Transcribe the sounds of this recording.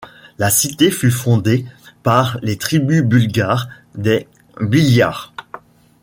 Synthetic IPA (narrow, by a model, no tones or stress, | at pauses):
lasit̪efyfɔ̃d̪epaʁlet̪χibybylɡaːʁ | d̪e | biljaːʁ